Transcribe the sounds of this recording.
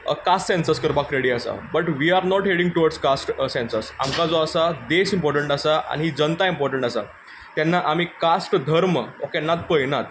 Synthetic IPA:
kasʈsɛ̃nsəɾskəɾbakɾeɽiasa̰bəʈʋiaɾnɔʈɦeɽĩŋɡ̚ʈuʋaɾskasʈsɛ̃nsəɾsa̰mkad͡zoasad̪esimpɔɾʈəɳʈasaʔa̰niɦid͡zənt̪aimpɔɾʈə̃ɳʈasa̰ | t̪janːaʔamiːkasʈd̪ʱəɾməokenːat̪̚pəjnat̪

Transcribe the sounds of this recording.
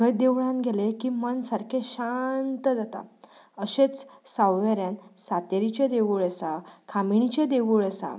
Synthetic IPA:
kəd̪eʋɭãnɡʱelekimənsaɾkʰẽɕant̪əd͡zat̪a̰ | əɕet͡ssawʋeɾjansat̪eɾit͡ɕed̪eʋuɭəsakʰamiɳ̃it͡ɕed̪eʋuɭəsa̰

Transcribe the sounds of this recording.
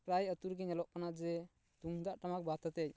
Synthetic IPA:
pɾajət̪uɾɡɛɲɔlɔʔkanad͡ʒɛ | t̪uŋd̪aʔʈamak̚bat̪ɔt̪ɛc̚

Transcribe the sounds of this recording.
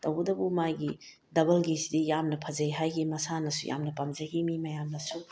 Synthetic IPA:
tɐwɡɐdɐbumajɡi | dɐbɐlɡisidijamnɐpʰɐzɐjɦajɡimɐsanɐsujʔa̰mnɐpamzɐɡimimɐjamnɐsu

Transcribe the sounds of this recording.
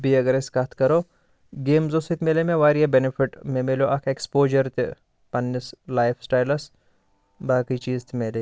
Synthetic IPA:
biɐɡɐɾɪskɐt̪ʰkɐɾo | ɡeːmzosik̪meːlemẽʋaːɾjebenɪpʰɪʈmẽmeloʔɐkʰekspoːd͡ʒɐɾt̪e | pɐnːislaːjfsʈaːjlɐs | baːkit͡ʃiːzt̪ʰimeːle

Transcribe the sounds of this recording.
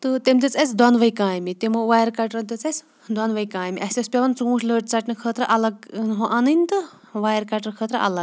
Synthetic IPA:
t̪ɨt̪emt̪ʲet͡sɐt͡sʰd̪ɔnʋɐjkaːjmit̪emoʋaːjɐɾkaʈɾɐnt̪ʲet͡sɐsʲ | d̪ɔnʋɐjkãːjmiʔɐsʲespʲɐʋɐnt͡sũːʃʰləːʈʲt͡sɐʈnɨkʰəːt̪ɾɐʔɐlɐɡnɦõʔanɨnʲt̪ɨ | ʋaːjɐɾkaʈɐɾkʰəːt̪ɾɐ̰ʔɐ̰lɐɡ

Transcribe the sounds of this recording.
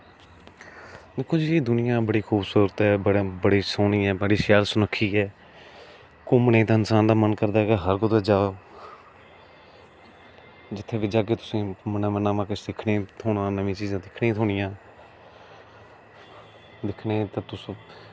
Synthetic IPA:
d̪eːkʰːoːd͡ʒieːd̪ʊnɪjãːbəɽiːkʰuːbsuːɾət̪ɦɛːbəɽbəɽiːsoːniːɛːbəɽiːʃjaːlsʊnəkʰːiːɦɛː | kʊːmnẽːt̪ãːɪnsaːnd̪aːmənkəɾd̪aːɛkaɦəɾkot̪eːd͡ʒaːoː | d͡ʒɪt̪ʰːeːʋiːd͡ʒaːɡeːt̪ʊ̥sĩːmənãːmənãːʋãːkɪt͡ʃdɪkʰnẽːt̪ʰoːɽãːnəʋĩːt͡ʃiːzãːd̪ɪkʰnẽːt̪ʰoːɽɪjãː | d̪ɪkʰneːt̪aːt̪ʊs

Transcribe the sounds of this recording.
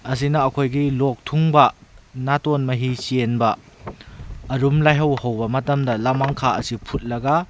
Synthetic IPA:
ɐs̬inɐːkʰojɡilok̚tʰuŋbɐnatonmɐɦisienbɐ | ɾumlajɦɐwhɐwbɐmɐtɐmdɐlamaŋkʰaɐsipʰut̚lɐɡɐ

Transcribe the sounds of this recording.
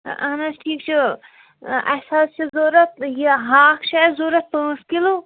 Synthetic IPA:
ʔɐ̰nɐsʈʰiːk̚t͡ʃʰu | ɐsaːst͡ʃʰizoːɾɐt̪jiɦaːkʰt͡ʃʰazoːɾɐt̪̚pãːskilo

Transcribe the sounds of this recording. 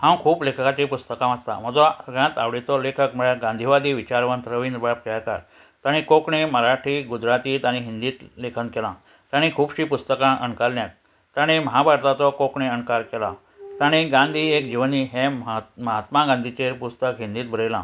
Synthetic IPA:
hãw̃kʰuːplekʰəkat͡ɕepust̪əkãmast̪a̰m̤əd͡zɔɡjãt̪a̰ʋɽet͡sɔlekʰəkm̤əɭaɡãnd̪ʱiʋad̪iːʋit͡ɕaɾʋənt̪ɾəʋind̪ɾbap̚kaka̰ɾ | t̪aɽ̃ĩkokɳeməɾaʈʰɾiːɡud͡ʑɾat̪iːt̪aɽ̃iɦind̪iːt̪lekʰənkɛlã | t̪aɽ̃ikʰuːbɕiːpust̪əkãʔə̰ɳkalːjat̪̚ | t̪aɽ̃iməɦabʱaɾt̪at͡sɔkokɳeəɳkaɾkɛlã̰ | t̪aɽ̃iɡãnd̪ʱiːekd͡ʑiʋəniːɦẽməɦət̪maɡãnd̪ʱit͡ɕepust̪əkɦĩnd̪iːt̪̚bʱəɾəjlã̰

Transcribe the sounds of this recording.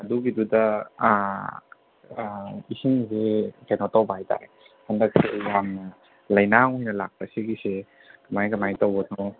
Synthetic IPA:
ɐduɡidudɐ | isiŋzeɡenotɐwbɐhajta̰ɾe | hɐndɐk̚sejamnɐ | lɐjnaojnɐlak̚pɐsiɡise | kɐmajkɐmajtɐwbɐno

